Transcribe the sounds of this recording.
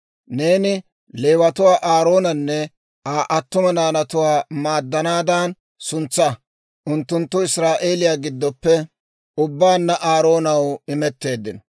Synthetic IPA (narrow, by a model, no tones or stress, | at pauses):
ne̞ːnɪ | le̞ːwɐt̪ʊwaːʔaːɾo̞ːnɐnːɛ | aːʔɐt̪ːʊmɐnaːnɐt̪ʊwaːmaːd̪ːɐnaːd̪aːn | sʊnt͡sːɐ | ʔʊnt̪ːʊnt̪ːʊɪsɾaːʔe̞ːlɪjaːɡɪd̪ːɔpːɛ | ʊbːaːnːɐʔaːɾo̞ːnɐwɪmɛt̪ːe̞ːd̪ːɪnɔ